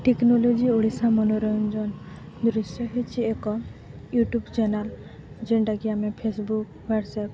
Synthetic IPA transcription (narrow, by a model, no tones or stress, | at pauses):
ʈeknɔlod͡ʒioɽisamɔnɔɾɔnd͡ʒɔn | d̪ɾusjɔɦet͡ʃʰiekɔ | juʈubt͡ʃɛnal | d͡ʒeɳɖaɡiamɛ̃pʰesbuk | waɖsɛp̚